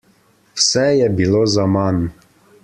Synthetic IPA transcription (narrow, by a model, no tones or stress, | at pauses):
wsɛjɛbilozaman